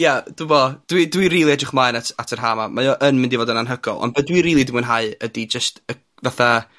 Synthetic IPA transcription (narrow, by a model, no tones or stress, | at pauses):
jad̥uvɔd̥widwiɾiːlˠiɛdrɪχmajnatʰatʰərɦaːmamajɔʔənmɪ̃ndivoːdənanɦəɡɔ̰lˠɔ̰nvɛdwiɾiːlˠidɪmənɦaɨədid͡ʒəstə | vaθa